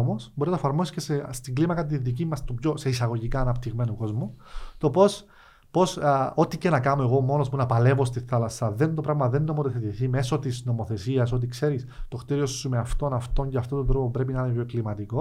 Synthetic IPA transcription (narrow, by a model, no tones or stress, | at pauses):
omo̞sboɾinɐefɐɾmosisce̞sest̪iɡlimɐkɐt̪iðicimːɐst̪upʝo̞se̞isɐɣo̞ʝikɐːnɐpt̪iɣme̞nuko̞zmut̪o̞po̞s | po̞so̞t̪ice̞nɐkɐno̞e̞ɣo̞mo̞nospunɐpɐle̞vost̪iθɐlɐsɐðe̞nt̪o̞pɾɐvmɐðe̞nːo̞moθeθet̪iθime̞so̞t̪izno̞mo̞θe̞siɐso̞t̪̬ikse̞ɾist̪o̞xt̪iɾio̞sːumeɐft̪o̞nɐft̪o̞ɲceɐft̪ot̪od̪ɾo̞pobɾe̞p̬inɐinepjoeklimɐt̪iko̞